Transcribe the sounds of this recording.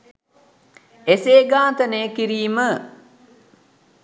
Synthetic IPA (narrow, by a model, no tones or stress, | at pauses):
eseːɡaːt̪əneːkiɾiːmə